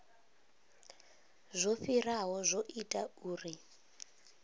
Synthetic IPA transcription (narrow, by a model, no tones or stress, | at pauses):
zʷofiraɦɔzʷoʔitʼauːri